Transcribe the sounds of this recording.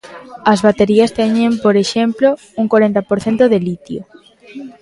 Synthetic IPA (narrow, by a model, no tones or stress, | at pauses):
ɐzβat̪eɾiɐst̪ɛɲẽmpoɾeʃemplo | uŋkwaɾent̪ɐpoɾθent̪oðelit̪jo̰